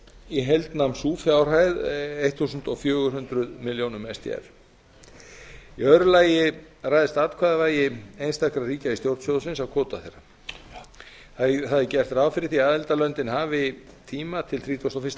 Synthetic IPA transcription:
iɦɛjlt̪namsuːfjawr̥ɦaːjðejht̪ʰθuːsʏnt̪ɔfjœːɣʏɦʏnt̪ɾʏðmɪljownʏmɛst̪ʰḭɛ̰ɾ̥ | iœɾʏlaːjɪraːjðɪst̪aːt̪kʰvaːðavaːjɪejnst̪akɾariːcaist̪jowɾt̪sjowðsɪnsawkʰɔːt̪aθejɾa | θaðθaðɪcɛr̥t̪ɾaːwfɪɾɪθiaːðɛlt̪alœnt̪ɪnɦaːvɪ | t̪ʰiːmat̪ʰɪlθɾiːt̪ʰost̪ɔfɪst̪

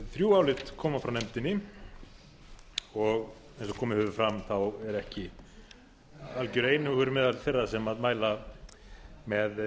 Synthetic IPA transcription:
θɾjuːawlɪt̪kʰɔːmafɾawnɛmt̪ɪnːɪ | ɔɣ | ejnsɔkʰɔːmɪhʏvʏɾfɾamθawɛɾɛhcɪ | alcʏɾeːjnɪʏɣʏɾʏmɛːðalθejrːasɛmaðmaːjla | mɛð

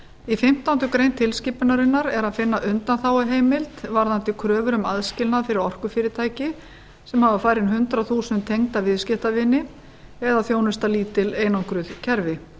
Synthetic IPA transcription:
ifɪm̥t̪awnt̪ʏkɾejnt̪ʰɪlsciːpʏnaɾɪnːaɾɛɾaðfɪnːaʔʏnt̪anθaːwaɦeːjmɪlt̪vaɾðant̪ɪkʰɾœːvʏɾʏmaðscɪlnafɪɾɪɾɔr̥kʏfɪːɾɪt̪ʰaːjcɪ | sɛmhavafaːjɾɪnɦʏnt̪ɾaθuːsnt̪ʰejŋt̪avɪðscɪht̪avɪnːɪ | ɛðaθjownʏst̪aliːt̪ɪleːjnawŋkɾʏðcʰɛɾvɪ

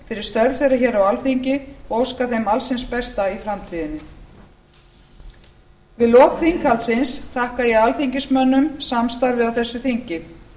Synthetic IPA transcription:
fɪɾɪɾ̥st̪œɾð̥θejɾaçɛːɾawalθiɲcɪowskaθejmalsɪnspɛst̪aifɾamt̪ʰiːðɪnːɪ | vɪðlɔːkθiŋkalt̪sɪnst̪ʰahkajɛɣalθiɲcɪsmœnːʏmsamst̪aɾvɪðawθɛsːʏθiɲcɪ

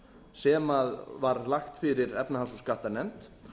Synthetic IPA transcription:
sɛːmaðvaɾlaxt̪fɪɾɪɾɛpnaɦansuskaht̪aɾnɛmt̪

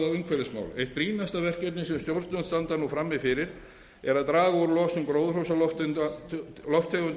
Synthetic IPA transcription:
avʏŋkʰvɛɾɪsma̰wlejht̪̚pɾiːnast̪avɛr̥cɛt̪nɪsɛmst̪jowɾt̪nʏnst̪ant̪aɾnufɾamːɪfɪɾɪɾ̥ | ɛɾaðt̪ɾaːɣauɾlɔːsʏmkɾoːwðr̥owsalɔft̪ʏn | lɔft̪ʰːœɣʏn

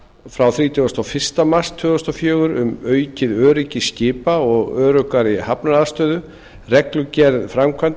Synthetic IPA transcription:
fɾawθɾiːt̪ʰɔast̪ɔfɪr̥st̪amast̪ʰːœːast̪ɔfjœːɣʏɾʏmœːɥcɪðœːɾɪcɪscɪːpaɔɣœːɾʏkaɾɪhapnaaðst̪œːðʏ | rɛklʏcɛɾðfɾamkʰvant̪

